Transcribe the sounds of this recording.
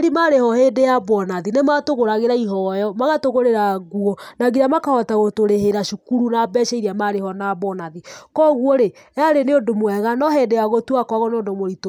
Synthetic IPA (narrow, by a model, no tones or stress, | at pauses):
ɾimaɾehɔhendejabɔnaðinematoɣoɾaɣeɾaiɦɔjɔmaɣatoɣoɾeɾaɣuɔnaɣiɾamakahɔtaɣotoɾeheɾaʃukuɾunabɛʃaiɾiamaɾehɔnaβɔnaðikɔɣwɔɾe | aɾeneondomwɛɣanɔɦɛndejaɣotwakwaɣɔneondomoɾito